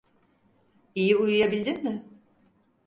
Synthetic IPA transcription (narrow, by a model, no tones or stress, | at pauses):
ijiujujabilʲd̪inmɪ